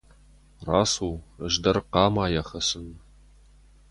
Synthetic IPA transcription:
raːsuːəʒd̪ɐrqɑːmaːjɐxɐsɨn

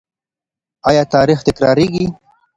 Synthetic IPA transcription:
ɑjɑːt̪ɑɾixt̪ɪkɾɑɾeɡi

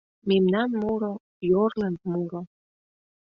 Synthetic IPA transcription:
memnɑnmuɾo | jorlɑnt̪muɾo

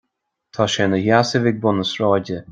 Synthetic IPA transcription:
t̪ʰaːʃɛnəhasəvɪɡ̚bʊnəsɹɔːdə

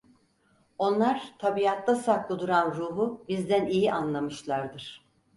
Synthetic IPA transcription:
o̞nlˠaɾ̥t̪ʰabijat̪ʰːasaklˠɯd̪uɾanɾuːɦubizd̪ænijiʔanlˠamɯʃlˠaɾd̪ɯɾ̥

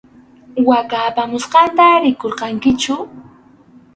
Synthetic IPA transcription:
wakaːpamʊsɢɑnt̪aɾɪkoɾqɑŋkɪt͡ʃʊ

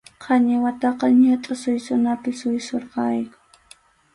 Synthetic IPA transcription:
qʰɑɲɪwat̪ɑqɑɲat̪ʼʊsʊjsʊnapɪsʊjsoɾqɑjkʊ̥

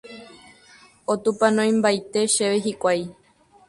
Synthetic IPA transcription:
ot̪upanõj̃mbajt̪e̞ʃeʋeɦikʷaj

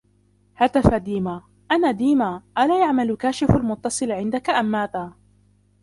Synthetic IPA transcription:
hat̪afad̪iːmaː | ʔanaːd̪iːmaːʔalaːjaʕmalkaːʃɪfalmʊt̪ːɑsˤɨlʕɪnd̪akaʔamːaːt̪aː

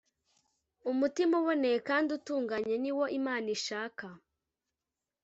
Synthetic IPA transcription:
umutimuβonekaːndutuːŋɡaɲe̞niwo̞ʔimaːniʃaːka

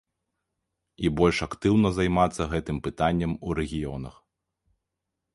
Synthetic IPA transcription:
ibɔlʲʂɐkt̪ɨwnɐzajmat̪sːɐɣɛt̪ɨmpɨt̪anʲːɐmuɾɛɣʲijɔnɐ̰x

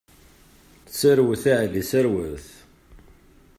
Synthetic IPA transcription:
səɾwəθæʕðisəɾwəθ

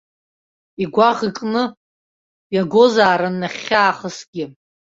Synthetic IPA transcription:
iɡʷaʁikʼnɨ | jaɡʷozaːɾanːaχʲːaːχəsɡ̥ʲɪ

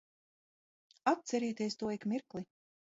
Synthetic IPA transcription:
at̪t̪sɛɾiɛt̪iɛst̪uɔikmiɾklˠi

